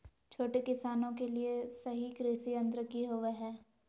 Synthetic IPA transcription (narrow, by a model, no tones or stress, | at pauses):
t͡ʃʰoːʈekɪsaːnõkeliesɐɦikɾisiɐ̃nd̪ɾəkiɦʊʋeɦɛː